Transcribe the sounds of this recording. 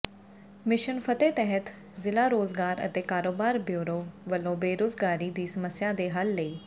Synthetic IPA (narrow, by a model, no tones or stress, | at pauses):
mɪʃənpʰət̪eːt̪ɛɦət̪ | zɪlaːɾoːzɡaːɾə̰t̪eːkaːɾoːbaːɾbjuːɾoːʋəlːõːbeːɾoːzɡaːɾiːd̪iːsəməsjaːd̪eːɦəlːəiː